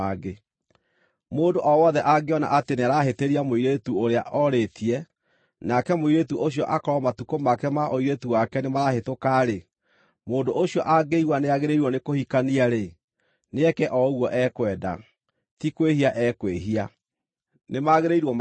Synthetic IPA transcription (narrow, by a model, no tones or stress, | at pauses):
aɡe | moːndoʔɔwɔðɛʔaɡeɔna̰ʔateneaɾaɦeteɾiamoiɾetuoɾea̰ʔɔɾetʰiɛ | nakɛmoiɾetuʔoɕiɔʔakɔɾɔmatukomakɛmaʔoiɾetuwakɛnemaɾahetokaɾe | moːndoʔoɕiɔʔaɡeiwaneaɣeɾeiɾwɔnekohikaniaɾe | neɛkɛʔɔɣwɔʔɛkwɛːda̰ | tikwehiaʔɛkweɦia | nemaɣeɾeiɾwɔ